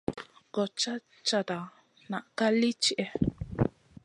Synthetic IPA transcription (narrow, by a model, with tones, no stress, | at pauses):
ɡɔ˨t͡ʃa˦ | t͡ʃa˨t̪a˨ | na˨ʔka˦li˦t͡ʃi˦ʔɛ˦